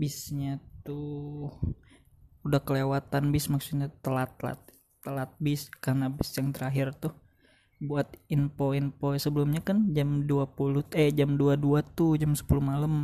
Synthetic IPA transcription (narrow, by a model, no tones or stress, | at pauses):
bisɲat̪u | udahkəlewat̪anbɪsmaksut̪̚ɲat̪əlat̪̚la̰t̪̚ː | əlat̪̚bɪskarnabɪsjaŋt̪əɾaɦɪrt̪ʊh | buat̪̚impoinposəbəlumɲakand͡ʒamduapulʊt̪ɛd͡ʒamduaduat̪ud͡ʒamsə̥puluhmaləm